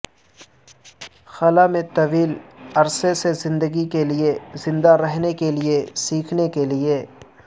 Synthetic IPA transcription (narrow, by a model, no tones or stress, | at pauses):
xɐlamẽt̪ɐʋiːlɐɾsesezɪ̃nd̪əɡikeliezɪ̃nd̪aɾɛɦnekeliesiːkʰnekelie